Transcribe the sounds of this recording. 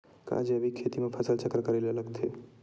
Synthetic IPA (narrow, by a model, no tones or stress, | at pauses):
kã̰d͡ʒeəbʱikʰet̪imẽpʰəsəlt͡ʃəkːɾəkəɾelələɡt̪ʰe